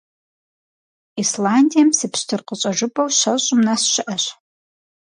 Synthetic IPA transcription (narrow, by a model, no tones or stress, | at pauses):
islandʲijɐmsɨpɕtʰɨrqəɕʼɐʒʷʊbʼɐwʃɐɕʼʊmnɐsʃɪʔɐɕ